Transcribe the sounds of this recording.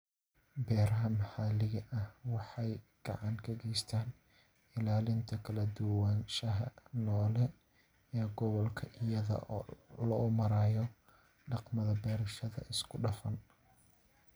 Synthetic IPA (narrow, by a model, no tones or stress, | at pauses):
bɛːɾɐɦɐmɐħaːlɪɣɐʔɐhwɑħɑjɡ̥ɑ̰ʕɑŋkʰɐɡɛjst̪ʰaːn | ɪlaːlɪnt̪ʰɐkʰɐlɐd̪ʊwaːnʃɐɦɐ̰nɔːlɛ | ɛːɡɔβɔlkʰɐʔɪjɐðɐ̰ʔɔ̰ːlɔːmɐɾaːjɔ | ɖɑqmɐðɐbɛːɾɪʃɐðɐ̰ʔɪskʰʊɖɐfɐn